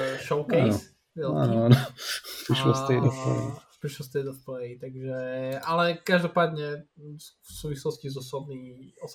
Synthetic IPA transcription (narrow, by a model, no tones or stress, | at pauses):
ʃɔʊkɛa̰s | vɛla̰ːnoaːnopɾiʃlɔ̰st̪ɛjd̪ɔfpɛ̰pɾiʃlɔst̪ɛjd̪ɔfplɛjit̪aɡʒɛalɛkaʒd̪ɔpaːd̪ɲɛ | fsuːʋislɔscizɔsɔbniɔs